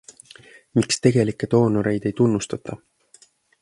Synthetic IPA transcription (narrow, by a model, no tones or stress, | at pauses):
mikst̪e̞ɡ̥e̞likːˑe̞t̪o̞ːno̞ɾe̞jd̪̥e̞jt̪unːust̪ɑt̪ːˑɑ